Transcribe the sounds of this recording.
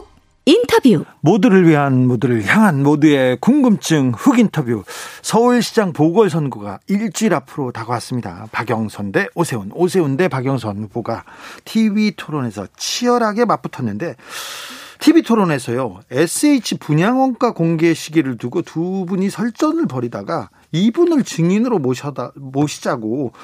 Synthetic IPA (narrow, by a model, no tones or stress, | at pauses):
intʰʌbjumodɯɾɯɭɥiɦanmodɯɾɯɭçjaŋɦanmodue̞kuŋɡɯmt͡ɕ͈ɯŋɸuɡintʰʌbjusʰʌuɭɕʰid͡ʑaŋpoɡʌɭsʰʌnɡuɡa̰iɭt͡ɕ͈iɾapʰɯɾotaɡaas͈ɯmɲida̰paɡjʌŋsʰʌnde̞osʰe̞unos̬ʰe̞unde̞paɡjʌŋsʰʌnuboɡatʰibitʰoɾone̞sʰʌt͡ɕʰiʌɾɦaɡe̞map͈ɯtʰʌnːɯnde̞ | tʰibitʰoɾone̞sʰʌjoes͈ʰɯeit͡ɕʰipuɲaŋwʌnk͈akoŋɡe̞ɕʰiɡiɾɯɭtuɡotubuɲisʰʌɭt͡ɕ͈ʌnɯɭpʌɾidaɡa | ibunɯɭt͡ɕɯŋinɯɾo | moɕʰi̥d͡ʑaɡo